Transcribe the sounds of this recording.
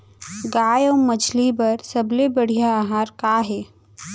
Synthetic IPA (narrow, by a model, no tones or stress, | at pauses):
ɡaːjoːmɐd͡ʒlibɐɾsɐblebɐɽ̤ijaːɦaːɾkaːɦɛː